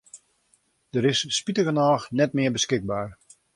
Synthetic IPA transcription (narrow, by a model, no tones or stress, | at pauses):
d̥əɾɪsspitəɣənaːxnɛtmɪəbəskɪɡ̚baːr